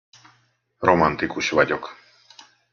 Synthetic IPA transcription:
ɾɔmant̪ikuʃvaɟʲɔk

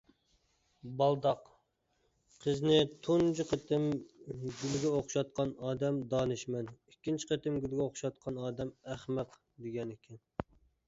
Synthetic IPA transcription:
bɑlˠd̪ɑq | qʰəznɪt̪ʰund͡ʒiqʰət̪ʰɪmɡʲylɡʲɛoχʃɑt̪̚qʰɑnɑːd̪ɛmd̪ɑːnɨʃmɛnikʲːint͡ʃʰi̥qet̪ɪmɡʲylɡʲɛoχʃɑt̪̚qʰɑnɑːd̪ɛmæχmæq | d̪eɡʲɛnɪkʲʰɛn

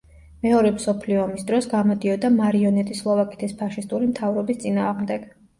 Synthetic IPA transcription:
mɛɔɾɛmsɔpʰliɔːmisd̪ɾɔsɡamɔd̪iɔd̪amaɾiɔnɛt̪ʼislˠɔvakʼit̪ʰispʰaʃist̪ʼuɾimt̪ʰavɾɔbist̪sʼinaːʁmd̪ɛɡ̥

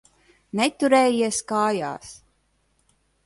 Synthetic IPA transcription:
net̪uɾɛːjiɛskaːja̰ːs

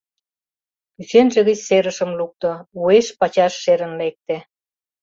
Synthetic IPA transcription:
ysenʒĕɣə̆t͡ɕseɾə̆ʃə̆mluk̚t̪ŏueʃpɑt͡ɕɑʃːeɾə̆nlek̚t̪e

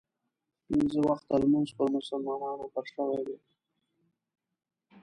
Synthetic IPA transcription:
pinzəwaxt̪almuzpəɾmʊsʊlmɑnɑnopəɾʂəwajd̪e

